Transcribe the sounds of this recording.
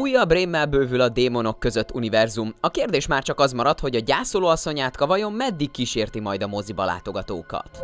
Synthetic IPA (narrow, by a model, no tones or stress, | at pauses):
ujːɒbreːmːɛlbøːvylɒd̪eːmo̞no̞kːø̞zø̞t̪ːunivɛrzumɒkeːrd̪eːʃmaːrt͡ʃɒkɒzmɒɾɒt̪ho̞ɟɒɟaːsoloːɒsːo̞ɲaːt̪kɒvɒjo̞mːɛd̪ːikːiʃeːrt̪imɒjd̪ɒmo̞zibɒla̰ːt̪o̞ɡɒt̪o̰ːkɒ̰t̪